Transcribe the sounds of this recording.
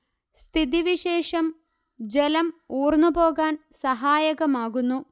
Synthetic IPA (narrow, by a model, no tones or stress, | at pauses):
st̪ʰiðiʋiɕe̞ːʂɐm | d͡ʑelɐmuːrnːubo̞ːɣaːnsɐɦaːjɐɣɐmaːɣunːu